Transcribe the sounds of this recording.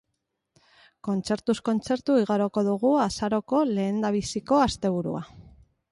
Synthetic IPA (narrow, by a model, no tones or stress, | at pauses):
ko̞nt͡se̞ɾt̪usko̞nt͡se̞ɾt̪uiɣaɾoko̞ðuɣ̞uasaɾo̞ko̞le̞ːnd̪aβ̞isiko̞ast̪e̞β̞uɾua̰